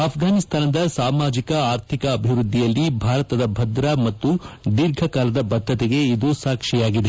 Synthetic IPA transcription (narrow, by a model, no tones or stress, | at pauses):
ɐpʰɡaːnist̪ʰaːnɐd̪ɐsaːmaːd͡ʒikɐaːɾt̪ʰikɐːbʱiʋɾud̪ʱːijɐlːibʱaːɾɐt̪ɐd̪ɐbʱɐd̪ɾɐmɐt̪ːuɖ̪iɾɡʱɐkaːlɐd̪ɐbɐd̪ʱːɐt̪ɛɡe̞id̪usaːkʂijaːɡid̪e